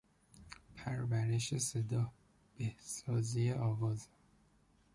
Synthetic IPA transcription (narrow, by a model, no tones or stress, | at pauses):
pʰæɾbæɾe̞ʃe̞se̞d̪ɒːh | b̥ehsɒːzijeʔɒːvɒːze